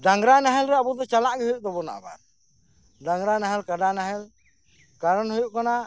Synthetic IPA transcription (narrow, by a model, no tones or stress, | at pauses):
daŋɾanaɦɛlɾɛabɔd̪ɔt͡ʃalaʔɡɛhujuʔ̚d̪ɔbɔna̰ʔba̰ɾ | daŋɾanaɦɛlkadanaɦɛl | kaɾɔnhɔjuʔkana